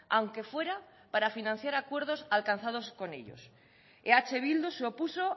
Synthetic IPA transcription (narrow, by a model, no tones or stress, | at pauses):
awŋke̞fwe̞ɾa | paɾafinãn̟θjaɾakwe̞ɾðo̞salkanθað̞o̞sko̞ne̞̰ʎo̰s | eat͡ʃe̞βild̪oseopuso